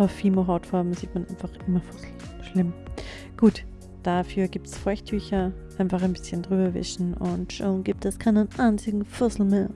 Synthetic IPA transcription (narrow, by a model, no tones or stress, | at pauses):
ʔaʊfːiːmoɦaʊtfaɐbm̩ziːtmanʔa̰ɪnfaχʔɪmɐfʊsl̩ | ʃlɪm | ɡ̥uːt | d̥afyːɐɡiːp̚tsfɔɐçtʰːyːçɐʔaɪnfaχaɪnbɪsçəndʁyːbɐvɪ̰ʃn̩ʊntʃoːnɡiːp̚tɛskʰaɪnənʔaɪnt͡sɪɡŋ̩fʊɐsl̩meːɐ